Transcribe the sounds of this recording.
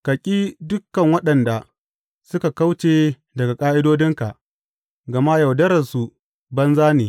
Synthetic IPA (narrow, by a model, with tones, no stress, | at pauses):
kɐ˨kʲʼiː˦dʊ˦kːɐ˨ŋwɐ˦ɗɐ˨nda˨ | sʊ˦ka˨ka˦wt͡ʃeː˨ | dɐ˨ɡa˨kʼaː˦ʔɪ˦doː˦dɪ˦ŋka˨ʔ | ɡɐ˨ma˦ja˨wdɐ˦ɾɐ˨su˨ | bɐ˦nzaː˦neː˨